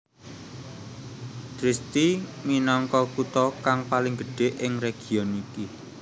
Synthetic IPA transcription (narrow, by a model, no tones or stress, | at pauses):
d̪̥ɾɪst̪iminɔŋkɔkut̪ɔkaŋpalɪŋɡəɖ̥e̤ʔɪŋreɡ̥i̤ɔniki